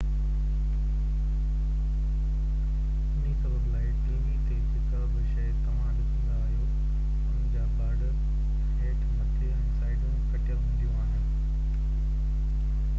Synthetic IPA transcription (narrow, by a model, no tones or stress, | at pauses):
ʊnisɐbəblaːɪt̪eːʋt̪eɦɪkəbɪʃɐjt̪ɐʋ̤ãɗɪsĩːn̆d̪aːɦijo | ʊnɪ̃ɲd͡ʑaːbaːɖə | ɦeːʈmɐt̪ʰeɛ̃ːsaːɪɖũkɐʈʰɪjəlɦũːn̆d̪ijũaːɦɪnɪ̆